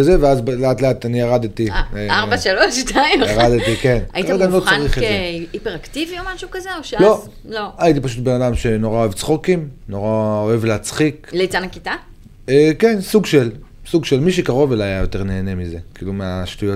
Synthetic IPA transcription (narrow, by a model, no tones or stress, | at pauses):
aze̞veazbleatleatanijaʁaditiaʁbaʃaloʃtaijaʁaditikenaiaɡamlot͡sanʁiχetzeipeʁaktiviomaʃukazeoʃelo̞ | loajit̬ipaʃutbenadamʃe̞no̞ʁaoevt͡sχo̞kimno̞ʁao̞e̞vleat͡sχikleit͡sanakita | eke̞nsuɡʃelsuɡʃelmiʃekaʁo̞veloajajo̞te̞ʁne̞ːne̞mize̞kiːlumeaʃtujo